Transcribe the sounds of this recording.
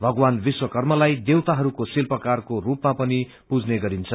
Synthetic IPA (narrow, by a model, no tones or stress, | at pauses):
bʱʌɡwanbiswʌkʌrmʌlajd̪ewt̪aɦʌɾukosilpʌkarkorupmapʌni | pud͡zneɡʌɾint͡sʰʌ